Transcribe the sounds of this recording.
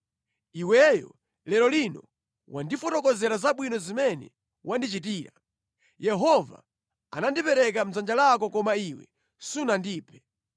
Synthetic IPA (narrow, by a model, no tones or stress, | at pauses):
iwɛjɔ̰ | lɛlɔlinɔ | wandifɔtɔkɔzɛɾazaɓwinɔzimɛnɛ̰ | wʔandit͡ʃit̬iːɾa | jɛɦɔva̰ | a̰nandipɛɾɛk̬am̩zand͡ʒalak̬ɔkɔmaiwɛ̰ | sunandiːpʰɛ̥